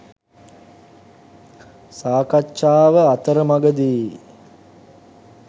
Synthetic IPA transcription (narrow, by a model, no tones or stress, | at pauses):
saːkat͡ʃːʃaːʋəat̪əɾəmaɡəd̪iː